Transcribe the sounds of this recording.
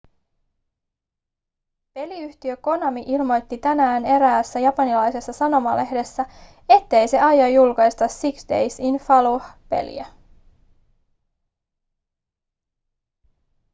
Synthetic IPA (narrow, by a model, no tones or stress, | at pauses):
pe̞liyht̪iø̞ko̞nɑmiʔilmo̞jt̪ːit̪ænæːne̞ɾæːsːæjɑpɑnilɑjse̞sːɑsɑno̞mɑle̞hde̞sːæ | e̞t̪ːe̞jse̞ʔɑjɑjːulkɑjst̪ɑsːiksde̞jsinfɑluhpe̞̰lḭæ